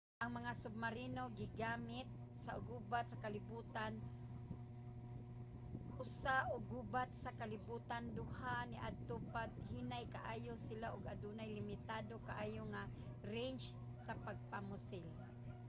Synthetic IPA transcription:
ʔaŋmaŋasʊb̚maɾinoɡɪɡaːmɪt̪̚ | saʊɡuːbat̪̚sakalɪbuːt̪an | ʔʊsaʔʊɡubat̪̚sakalɪbut̪and̪ʊhanɪʔa̰d̪̚t̪opaɡ̚hinajkaʔaːjosɪlaʔʊɡad̪unajlɪmɪt̪ad̪okaʔaːjoŋa | ɾent͡ʃ | sapaɡ̚pamʊsɪl

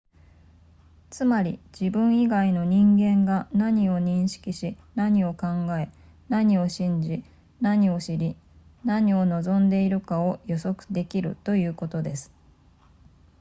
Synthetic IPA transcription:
t͡sɨmaɾʲḭd͡ʑibɯ̟̃ɰ̃iɡaino̞ɲ̟ĩŋɡẽ̞ŋɡanaɲ̟io̞ɲ̟ĩɰ̃ɕi̥kʲiɕinaɲ̟io̞kãŋɡae̞ | naɲ̟io̞ɕĩɲ̟d͡ʑi | naɲ̟io̞ɕiɾʲi | naɲ̟io̞no̞zõ̞nd̪e̞iɾɯ̟kao̞jo̞so̞kɯ̟̥d̪e̞kʲiɾɯ̟̰t̪o̞jɯ̟ːko̞t̪o̞d̪e̞sɨ̥

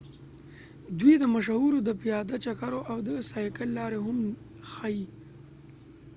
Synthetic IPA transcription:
d̪wid̪əmaʃawuɾod̪əpijɑd̪at͡ʃakaɾoʔawd̪əsɑjkəlːɑɾeɦʊm | xai

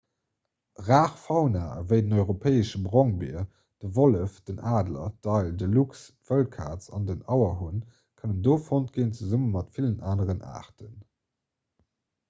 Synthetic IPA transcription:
ʁaːχfɑʊna̰ːvəɪdənɔʏʁopʰɛːəʃəbʁɔŋbḭɐ | d̥əvoləfd̥ənaːdlɐ̰d̥ɑɪldəluksv̥əlkʰa̰ːt͡sɑ̰ndənɑʊɐɦun | kʰənəndoːfontɡ̥eːnt͡suzumənmɑtfilənaːnəʁənʔa̰ːʁtʰən

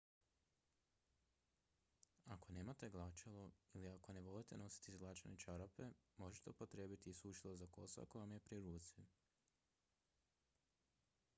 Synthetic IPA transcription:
ako̞ne̞ːmat̪e̞ɡlˠat͡ʃeloiliako̞ne̞ʋo̞lit̪e̞no̞si̥t̪izɡlˠat͡ʃanet͡ʃaɾape̞mo̞ʒet̪eupo̞t̪ɾe̞ːbit̪iːsuʃilˠozako̞sa̰ko̞jamje̞pɾiɾuːt̪si

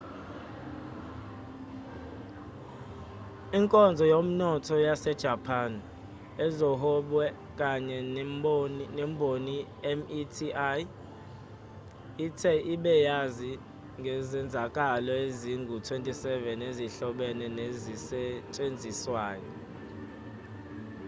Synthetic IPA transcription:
iŋkʼɔnd͡zʱɔjom̩nɔtʰɔjasɛd̥ʒ̥ʱapʰan | ɛzɔɦɔɓwɛ | kʼaɲɛ | nɛmbʱoni | ɛmitʰia | itʰɛʔiɓɛjazi | ŋɡʱɛzɛnd͡zʱakʼalɔeziŋɡʱutʰwentʼisɛvɛneziɬɔɓɛnɛnezisɛt͡ʃʼend͡zʱiswaːjɔ

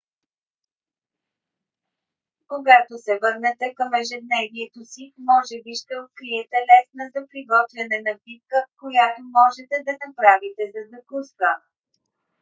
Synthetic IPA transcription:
koɡat̪osɛvɤɾnɛt̪ɛkɐmɛʒɛd̪nɛviɛt̪osimɔʒɛbiʃt̪ɛot̪̚kɾijɛt̪ɛlɛsnəzɐpɾiɡɔt̪vʲɛnɛnɐbit̪̚kəkojat̪omɔʒɛt̪ɛd̪ɐnɐpɾavit̪ɛzɐzɐkuskə

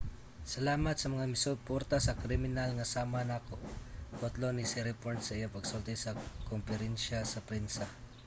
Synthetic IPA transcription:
sɐlaːmɐt̪sɐmɐŋamɪsʊpoɾt̪asɐkɾɪmɪnalŋɐsaːmanakot̪ot̪lonisɪɾɛpoɹt̪sɐʔijapɐɡsolt̪ɛsɐkompɛɾɛnʃasɐpɾɪnsɐ

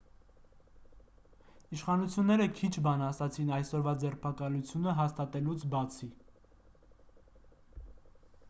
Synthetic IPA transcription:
iʃχɑnut͡sʰjunːɛɾəkʰit͡ʃʰbɑnɑsɑt͡sʰinɑjsɔɾvɑd͡zɛrpʰɑkɑlut͡sʰjunəɦɑst̪ɑt̪ɛlut͡sʰbɑt͡sʰi

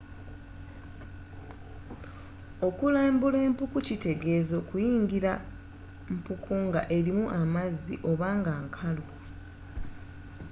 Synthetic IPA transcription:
o̞kulaːmbule̞ːmpukucite̞ɡe̞ːzo̞kujiːŋɡiɾa | m̩pukʰuːŋɡaʔe̞ɾimuʔamazːḭʔo̞βaːŋɡaːŋkʰalo

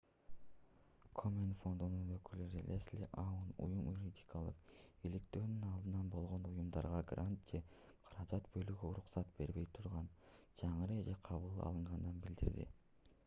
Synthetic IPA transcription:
kʰomʲenfo̞nd̪ununø̞kylyɾileslʲḭʔɑwunṵjumjuɾʲidʲikʰalˠɯqilikt̪øːnynɑlˠd̪ɯnɑnbo̞lˠʁo̞nujumd̪ɑ̰ɾʁɑɡrʔant̪̚d͡ʒe̞ | qʰɑ̥ɾɑd͡ʒɑt̪bø̞lyɡøuɾuqsɑt̪̚b̥e̞ɾβe̞jt̪ʰuɾʁɑnd͡ʒɑɴɯɾɯd͡ʒeqʰɑβɯlˠɑ̰lˠɯɴʁɑnd̪ɯnbild̪ḭɾd̪ḭ

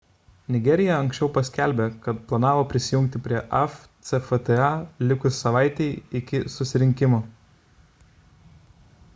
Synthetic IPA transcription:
nʲɪɡʲɛɾʲɪjɛɐŋksʲt͡ʃʲɛʊpɐsʲkʲæˑlʲbʲeːkɐt̪plˠɐnɑːʋoːpʲɾʲɪsʲɪjʊŋʲk̚t̪ʲɪpʲɾʲiɛʔɛft̪sɛfɛt̪ɛɑlʲɪkʊssɐʋɑˑɪt̪ʲɛɪɪkʲɪsʊsʲɪɾʲɪŋʲkʲɪmoː

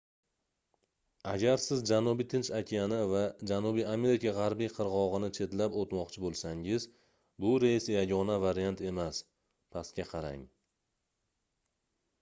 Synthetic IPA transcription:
aɡʲaɾsɪzd͡ʒanubijt̪ʰɪnt͡ʃakʲʰijanɪvad͡ʒanubijame̞ɾikʰaʁɑɾbijqʰɨɾʁɒʁɨnɪt͡ʃʰe̞t̪lapot̪mɒqt͡ʃʰɪbolˠsaŋɪz | bʊɾesjaɡʲɒnavaɾijant̪e̞mas | pʰaskʲaqʰɑɾa̰ŋ

